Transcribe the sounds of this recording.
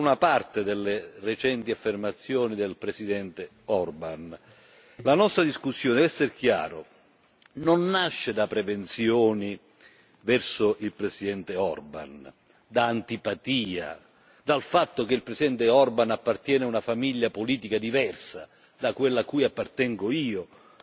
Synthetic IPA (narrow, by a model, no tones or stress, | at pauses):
unapart̪ed̪elːeret͡ʃɛnt̪iafːermat̪sːjoːnid̪elpɾesid̪ɛnt̪e | ɔrban | lanɔst̪ɾad̪iskusːjoːned̪ɛvɛsːerk̟ja̰ːɾo | nonːaʃːed̪apɾevent̪sjɔːni | vɛrsoilpɾesid̪ɛnt̪eɔrba̰n | d̪aːnt̪ipat̪iːa̰ | d̪alfat̪ːok̟eilpɾesid̪ɛnt̪eɔrbanapːart̪jɛːnaunafamiʎːapoliːt̪ikad̪ivɛrsa | d̪akwelːakːujapːart̪ɛŋɡoiːo